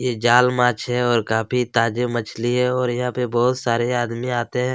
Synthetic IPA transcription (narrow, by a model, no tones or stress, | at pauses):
jeːd͡ʒaːlmaːt͡ʃɦɛɔːɾkaːpʰit̪aːd͡ʒemət͡ʃʰliɦɛɔːɾjɐɦãpebɔːt̪saːɾeaːd̪miaːt̪eɦɛ̃ː